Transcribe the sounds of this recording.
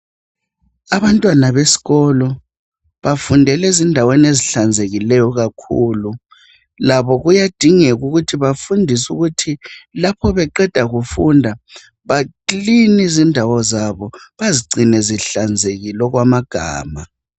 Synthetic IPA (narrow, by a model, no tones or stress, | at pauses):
aβantʼwanaβesi̥ɣɔlɔ | βafundʱɛlɛzindʱaweneziɬand͡zʱeɣilɛjɔɣakʰuːlu | laβɔɣujad̥ʱiŋɛɣuɣutʰiβafundʱisuɣutʰilapʰɔβɛǃɛd̥ʱaɣufundʱa | βaǃlinizindʱawɔzaβɔβaziɡ͡ǀʱinɛziɬand͡zʱeɣilɔɣwamaɡ̥ʱa̰ːma